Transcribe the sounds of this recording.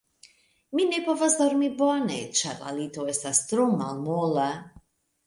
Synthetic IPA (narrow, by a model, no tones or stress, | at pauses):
minepovazd̪oɾmibonḛt͡ʃaɾla̰lit̪oest̪ast̪ɾomalmola